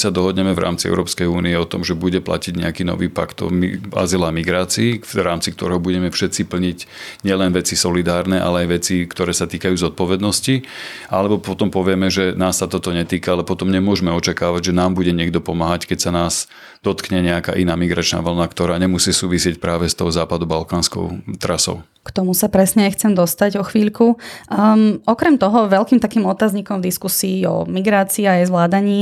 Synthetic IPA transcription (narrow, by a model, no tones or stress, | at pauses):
sad̪ɔɦɔd̪ɲɛmɛvɾa̰ːmt͡siɛ̰ʊɾɔːpskɛjuːniɛɔt̪ɔmʒɛbuɟɛpla̰ciɟɲɛ̰akiːnɔ̰ʋiːpa̰kt̪ɔ̰mia̰zilamiɡɾaːt͡siːɾaːmt͡sik̚t̪ɔɾɛɦɔbuɟɛmɛfʃɛt̪t͡sipl̩ɲiɟɲɪɛlɛnʋɛt͡sisɔlid̪aːɾnɛʔa̰lɛajʋɛt͡sikt̪ɔɾɛːsat̪iːkajuːzɔt̪̚pɔʋɛd̪nɔsciʔalɛbɔpɔt̪ɔmpɔʋɪɛmɛʒɛnaːssat̪ɔt̪ɔɲɛt̪iːkaalɛpɔt̪ɔmɲɛmʊɔʒmɛɔt͡ʃakaːʋaɟʒɛnaːmbuɟɛɲɪɛɡd̪ɔpɔmaːɦackɛcsanaːs | d̪̥ɔt̪kɲɛɲɛaka̰ʔinaːmiɡɾat͡ʃna̰ːʋl̩nakt̪ɔɾaːɲɛmusiːsuːʋisɪɛc̚pɾaːʋɛst̪ɔʊzaːpad̪ɔbalkaːnskɔ̰ʊt̪ɾasɔ̰ʊ | kt̪ɔmusapɾɛsɲɛajxt͡sɛmd̪ɔst̪aɟɔxʋiːʎku | ɔkɾɛmt̪ɔɦɔʋɛʎkiːmt̪akiːmɔt̪aːzɲikɔɱvd̪iskusiːɔ̰miɡɾaːt͡siːaɛjzʋlaːd̪aɲiː